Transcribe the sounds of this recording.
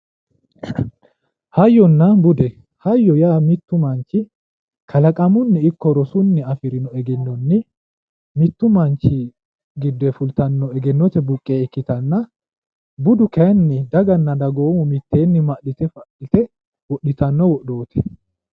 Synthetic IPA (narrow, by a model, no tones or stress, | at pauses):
hɐjːɔnːɐbʊd̪ɛ | hɐjːɔjaːmɪt̪ːʊmɐnt͡ʃːɪ | kʰɐlɐkʼɐmʊnːɪɪkːɔɾɔsʊnːɪɐfɪɾɪnɔɛɡɛnːɔnːɪ | mɪt̪ːʊmɐnt͡ʃːɪ | ɡɪd̪ːɛfʊlt̪ɐnːɔɛɡɛnːɔt̪ɛbʊkʼːeːɛkːɪt̪ɐnːɐ | bʊd̪ʊkɛnːɪd̪ɐɡɐnːɐd̪ɐɡo̞ːmʊmɪt̪ːe̞ːnːɪmɐʔɪt̪ɛfɐɪt̪ɛ | wɔɗɪt̪ɐnːɔwɔɗo̞ːt̪ɛ